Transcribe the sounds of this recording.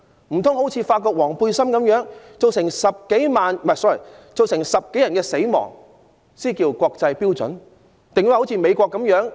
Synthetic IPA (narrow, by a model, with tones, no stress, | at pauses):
m̩˨˩t̪ʰʊ˥ŋɦo˨˥t͡sʰiː˨˧faː˧t̚kɔː˧k̚wɔː˨˩ŋpuː˧jsɐ˥mkɐ˨˧˥mjœː˨˥ŋ | t͡so˨wsɪ˨˩ŋsɐ˨p̚ke˨˥jmaː˨˧nmɐ˨˩sɔː˥˩ḭ˨˩ | t͡so˨wsɪ˨˩ŋsɐ˨p̚ke˨˥jɐ˨˩nkɛː˧se˨˥jmɔ̰ː˨˩ŋ | siː˥kiː˧wkʷɔː˧k̚t͡sɐ˧jpiː˥wt͡sɵ̰˨˥n | t̪ɪ˨ŋjho˨˥t͡sʰiː˧me˨˧jkʷɔː˧kːɐ˨˥mjœː˨˥ŋ